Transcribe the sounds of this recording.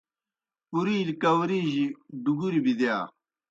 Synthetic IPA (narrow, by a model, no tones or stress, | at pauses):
uɾiːlikɐwɾiːʑid̪uɡuɾibid̪jaː